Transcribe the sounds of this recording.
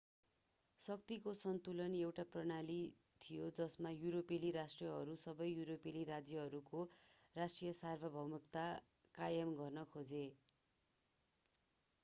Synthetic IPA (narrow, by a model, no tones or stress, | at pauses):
sʌk̚t̪ikosʌnt̪ulʌnewʈaprʌnali | t̪ʰijod͡zʌsmajuɾopeliɾasʈrʌɦʌɾusʌbʌjjuɾopeliɾad͡zjʌɦʌɾukorasʈrijʌsarbʱʌbʱʌwmukt̪a | kajʌmɡʌrnʌkʰod͡ze